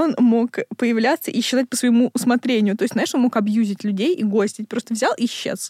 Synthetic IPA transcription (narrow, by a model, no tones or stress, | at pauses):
o̞nmo̞kpəjɪvlʲat̪sːə̰ʔiɕːɪzat̚ʲpəsvəjɪmuʊsmɐt̪ɾʲenʲɪjʊt̪o̞jɪsʲt̪ʲnajɪʂonmo̞kɐbjuzʲɪtʲlʲʉdʲejiɡo̞sʲtʲɪt̚ʲpɾo̞st̪əvzʲalˠiɕːḛs